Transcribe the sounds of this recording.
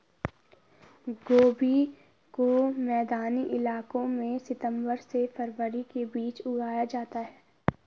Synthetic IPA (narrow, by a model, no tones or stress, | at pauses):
ɡoːbi | komɛːd̪aːniʔɪlaːkõmẽsɪt̪ə̃mbəɾsefɐɾʋəɾikebiːt͡ʃʊɡaːjad͡ʒaːt̪aɦɛː